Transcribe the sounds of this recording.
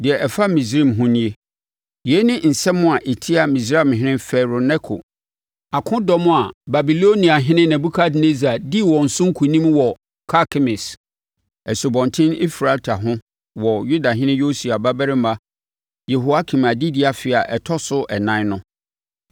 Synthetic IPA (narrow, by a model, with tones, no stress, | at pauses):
dɪ˨ɛ˨ʔɛ˨fa˦mĩ˨s̬ɾi˦˨mɦʊ̃˦nĩ˦e˦ | ji˨e˦nɪ̃˦n̩˨sɛ˦mʊ̃˦a˨ʔe˨tʰi˦a˨mĩ˨s̬ɾa˦˨m˨ɦɪ̃˦ɪ̃˦fɛ˨ɾo˨nɛ˦kʰo̰˨ | a˨kʰʊ̃˦dɔ˦mʊ̃˦a˨ba˨bi˨lo˦nĩ˨a˨ɦɪ̃˦nɪ̃˦nɛ̃˨bu˦kʰa˦dne˦za˨di˦wɔ˨n̩˨sʊ̃˦ŋ˦kʰu˨nĩ˦mwɔ˨ | kʰa˦kʰɪ˦mɪ̃˨s | ɛ˨su˨bɔ̃˨ntʰɪ̃˦ni˦fɾa˨ltʰa˨ɦʊ̃˦ | wɔ˨ju˦da˨ɦɪ̃˦nɪ̃˦jo˦su˨a˨ba˦bɛ˦ɾɪ˦ma˦ | je˨ɦo˨a˦kʰĩ˨ma˨di˦dɪ˨˦a˨fɪ˨a˨ʔɛ˨tʰɔ˦sʊ˦ʔɛ˨nã˦nʊ̃˦